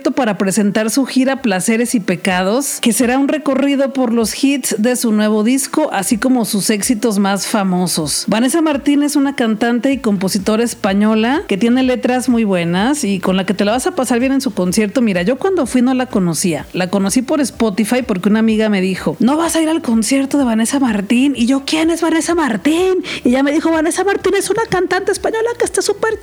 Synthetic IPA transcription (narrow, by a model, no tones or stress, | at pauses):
t̪o̞paɾapɾe̞se̞nt̪aɾsuxiɾaplase̞ɾe̞sipe̞kað̞o̞ske̞se̞ɾaunre̞ko̞riðo̞po̞ɾlo̞sxit̪sd̪e̞sunwe̞β̞o̞ðisko̞ʔasiko̞mo̞suse̞ksit̪o̞zmasfamo̞so̞sbane̞samaɾt̪ine̞sunakant̪ant̪e̞iko̞mpo̞sit̪o̞ɾaespaɲo̞lake̞t̪je̞ne̞le̞t̪ɾazmujβwe̞nasiko̞nlake̞t̪e̞laβasapasaɾβje̞ne̞nsuko̞nsje̞ɾt̪o̞miɾaʝo̞kwand̪o̞fwino̞lako̞no̞sia̰lako̞no̞sipo̞ɾe̞spo̞t̪ifajpo̞ɾkeunamiɣame̞ðixo̞no̞βasaiɾalko̞nsje̞ɾt̪o̞ð̞e̞β̞ane̞samaɾt̪iniʝo̞kjene̞zβane̞samaɾt̪iniʝame̞ðixo̞βane̞samaɾt̪ine̞sunakant̪ant̪espaɲo̞lake̞st̪asupeɾ